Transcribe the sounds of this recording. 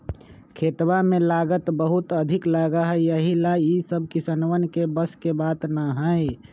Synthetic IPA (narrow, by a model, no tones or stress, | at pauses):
kʰeːt̪wamẽlaːɡət̪bəɦʊt̪əd̪ʱɪklaːɡaɦɛjəɦilaisəb̚ʱkisənwənkebəskebaːt̪nəɦəi